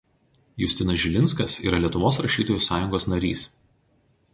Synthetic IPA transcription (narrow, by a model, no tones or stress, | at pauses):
jʊsʲt̪ʲɪnɐsʒʲɪlʲɪntskɐsḭːɾɐlʲiɛt̪ʊʋoːs̬ɾɐʃʲiːt̪oːjuˑsɑːjʊŋɡoːsnɐɾʲḭːs